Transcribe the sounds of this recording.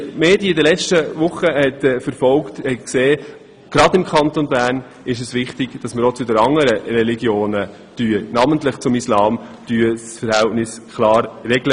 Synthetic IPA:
meːdjiəɪdəlɛt͡ʃtəvʊχəhɛtːfəɾfɔlktɛkseː | ɡ̥ɾɑdɪmkʰɑnt̪onbæːɾn | ɪʃ̬əsʋɪχtɪɡ̥d̥ɑsməɾɔt͡sʊdəɾɑŋːəɾəɾɛliɡjoːnə | d̥yːənɑməntlɪχt͡sʊmislɑːmd̥yːəsfəɾhæltnɪs | kʰlɑːɾːɛɡlə

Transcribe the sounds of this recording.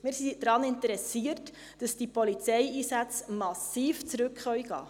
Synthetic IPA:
mɪːɾsid̥ɾɑːnɪntəɾɛsiːət | d̥ɑsd̥ipolit͡sɛjiːsæt͡smɑsiːft͡sɾʉkχœɥɡ̥ɑ̰ː

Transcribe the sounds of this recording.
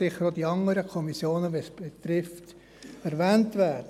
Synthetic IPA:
ɪχːəɾod̥iɑŋəɾəkʰɔmisjoːnəʋesb̥et̪ɾɪft | ɛɾʋɛːntʋæːdə

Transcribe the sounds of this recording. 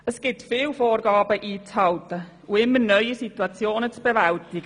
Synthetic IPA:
əsɡ̥ɪtfɪːlfoːrɡɑːbəʔiːt͡shɑltə | uɪmːənœʏisituɑt͡sjoːnət͡sb̥evaltɪɡ̥ə

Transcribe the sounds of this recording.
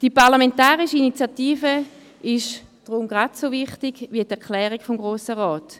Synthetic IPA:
d̥ipaʁlamentaːʁiʃəinit͡sjatiːfə | ɪʃ | d̥ʁʊmɡʁatsovɪχtiɡʋiətɛɐklɛːʁiɡfɔmɡʁoːsəʁɔːt

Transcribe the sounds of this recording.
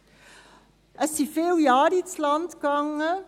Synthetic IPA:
ʔəsifeljɑːɾitslɑntɡɑŋ

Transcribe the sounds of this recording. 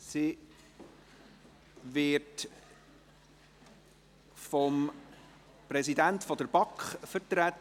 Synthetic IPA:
si | ʋɪt | fɔm | prɛsidæntfɔdəɾb̥ɑkχfəɾtɾæt

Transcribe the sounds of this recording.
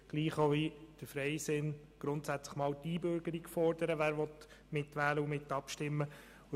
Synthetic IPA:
ɡ̥liːχoʋid̪̥əɾfɾɛɪsɪn | ɡ̥ɾʊntsæt͡sləχmɑːwtiːbøɾɡ̥əɾiɡfɔɾd̥əɾəʋæːɾʋɔt̪ | mɪt̪ʋæːləʊmɪt̪ːɑpʃtɪmːə

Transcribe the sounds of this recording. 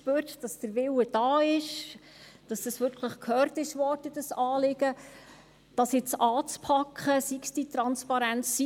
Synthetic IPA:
ʃpøːɾtd̥ɑsd̥əɾʋɪwəd̥ɑːɪʃ | d̥ɑsd̥ɑsʋʏɾkχləχkʰhœːɾtɪʃʋɔːtəd̥ɑsɑːlɪɡ̥ə | d̥ɑsɪt͡sɑːt͡spʰɑkχəsiksd̥itɾɑnspɑɾænt͡ssi

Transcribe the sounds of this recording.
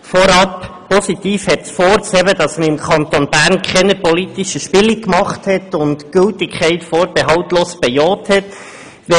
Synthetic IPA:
fɔɾɑp | pɔsitiːfhɛt̪sfɔːɾsɛbədɑsməɾɪmkʰɑnt̪onbæːɾnkʰχɛnəpɔlitiʃəʃpɪlikmɑχthɛtʊntɡ̥ʏltɪkʰχɛɪtfoːɾb̥ɛɦɑwtloːsb̥ɛjɔːthɛt | ʋɛ

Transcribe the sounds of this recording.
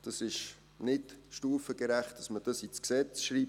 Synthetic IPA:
d̥ɑsɪʃ | nɪdʃtuːfəɡ̥əɾæχt̚d̥ɑsməd̥ɑsit͡sksɛt͡sʃɾiːp

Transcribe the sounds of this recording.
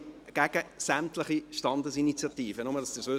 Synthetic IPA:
ɡ̥æɡ̥əsæmt̪ləχiʃtɑnd̪əsinit͡sjɑt̪iːfənʊmədɑsd̥əsøː

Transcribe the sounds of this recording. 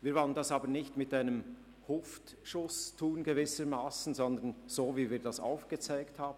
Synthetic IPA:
viːɐvɔləndɑsɑːbəɾnɪçtmɪtaɪnəm | hʊft | ʃʊstʰuːnɡevɪsəɾmaːsn̩zɔnd̪ənz̥oːviːviːɐdɑsa̰ʊfɡ̥ət͡saɪkthaːbn

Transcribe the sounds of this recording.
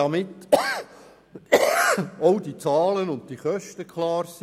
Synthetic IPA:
ɑmɪt̪ː | ɔʊdit͡sɑːlənʊnt̚tiχœʃtəkχlɑːɾsi

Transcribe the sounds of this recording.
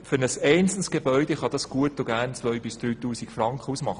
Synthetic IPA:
fʏɾnəsɛɪnt͡sn̩sɡ̥ebœʏdeχɑd̥̪ɑsɡ̥uətːʊɡæːɾnt͡sʋœɥbɪsd̪̥ɾyːt̪uːsikfɾɑŋkχəusmɑχə

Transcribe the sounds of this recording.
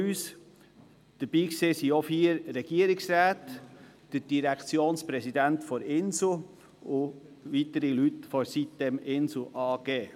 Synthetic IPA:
yːs | d̥əɾb̥iːkseːsiofiːəɾːɛɡ̥iəɾɪksɾæːt̪d̥əd̥iɾɛkt͡sjoːnspɾɛsid̪æntfɔɾɪnsl̩ | ʊ | ʋitəɾilytfɔɾsit̪dɛmɪnsl̩ʔɑːɡ̥eː

